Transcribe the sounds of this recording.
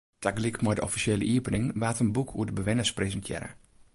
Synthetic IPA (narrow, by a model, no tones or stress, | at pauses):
tʰaɡlɪkmɔjdəɔfisjeːləʔiəpənɪŋʋaːtənbukʰuədəbəʋɪnəsprezəntʰjɪ̰ɾə̰